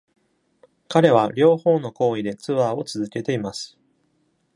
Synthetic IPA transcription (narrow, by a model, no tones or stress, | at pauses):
kaɾe̞β̞aɾʲo̞ːho̞ːno̞ko̞ːid̪e̞t͡sɨβaːo̞t͡sɨzɨke̞t̪e̞imasɨ̥